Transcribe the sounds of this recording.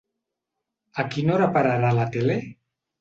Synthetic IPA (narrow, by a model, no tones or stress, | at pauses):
akinoɾapaɾaɾalat̪ele